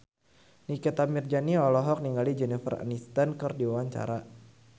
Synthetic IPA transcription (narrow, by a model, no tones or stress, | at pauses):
nikɛt̪amird͡ʒaniɔlɔɦɔk̚niŋɡalid͡ʒɛnifəra̰nist̪ankɨrdiwawaɲt͡ʃa̰ɾa